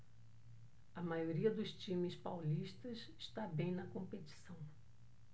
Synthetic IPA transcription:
ɐmajoɾiɐd̪ʊst͡ʃĩmɪspawliʃt̪ɐsɪ̥ʃt̪abẽj̃nɐkõmpet͡ʃi̥sɐ̃w̃

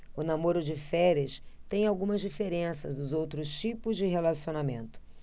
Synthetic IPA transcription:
ʊnamoɾʊd͡ʒɪfɛɾɐst̪ẽj̃awɡũmɐzd͡ʒifeɾẽsɐ̰zd̪ʊzowt̪ɾʊst͡ʃipʊzd͡ʒɪɦelasionamẽnt̪ʊ̥

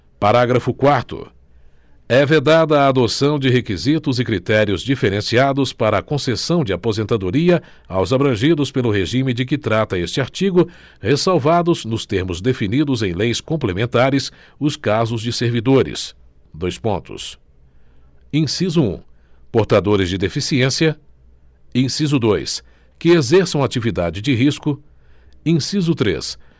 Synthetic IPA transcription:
paɾaɡɾɐfʊkwaɾt̪ʊ̰ | ɛved̪ad̪ɐːd̪osɐ̃w̃d͡ʒɪɦekizit̪ʊzɪkɾit̪ɛɾiʊzd͡ʒifeɾẽsiad̪ʊspaɾɐːkõsesɐ̃w̃d͡ʒɪapozẽnt̪ad̪oɾiɐ | awzabɾɐ̃ʒid̪ʊspelʊɦeʒĩmɪd͡ʒɪk̬ɪt̪ɾat̪ɐest͡ʃɪaɾt͡ʃiɡʊ | hesawvad̪ʊznʊst̪eɾmʊzd̪efinid̪ʊzẽj̃lejskõplemẽnt̪aɾɪs | ʊskazʊzd͡ʒɪseɾvid̪oɾɪ̰s | d̪ojspõ̰nt̪ʊ̰s | ĩsizʊṵ̃poɾt̪ad̪oɾɪzd͡ʒɪd̪efisiẽsiɐ | ĩsizʊd̪ojs | kɪezɛɾsɐ̃w̃at͡ʃivid̪ad͡ʒɪd͡ʒɪɦiskʊ | ĩsizʊt̪ɾḛs

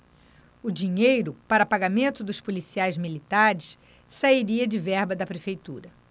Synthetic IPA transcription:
ʊd͡ʒiɲejɾʊpaɾɐpaɡamẽnt̪ʊd̪ʊspulisiajzmilit̪aɾɪs | saiɾiɐd͡ʒɪvɛɾbɐd̪ɐpɾefejt̪uɾɐ

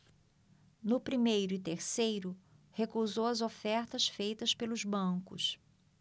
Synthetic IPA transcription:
nʊpɾimejɾʊɪt̪eɾsejɾʊ | hekuzowɐzofɛɾt̪ɐsfejt̪ɐspelʊzbɐ̃kʊ̰s

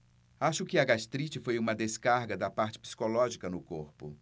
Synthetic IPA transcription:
aʃʊkɪɐɡast̪ɾit͡ʃɪfojũmɐd̪eskaɾɡɐd̪ɐpaɾt͡ʃɪ̥pi̥si̥kolɔʒikɐnʊkoɾpʊ̰

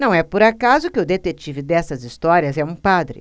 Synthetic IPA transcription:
nɐ̃w̃ɛpʊɾakazʊkɪʊd̪et̪et͡ʃivɪd̪ɛsɐzist̪ɔɾiɐzɛũpad̪ɾɪ̰

